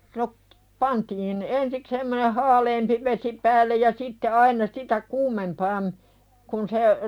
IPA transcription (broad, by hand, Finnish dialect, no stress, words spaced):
no pɑntiːn ensik semːoneh hɑːleːmpi ʋesi pæːlːej jɑ sitːe ɑinɑ sitæ kuːmempɑːm kun se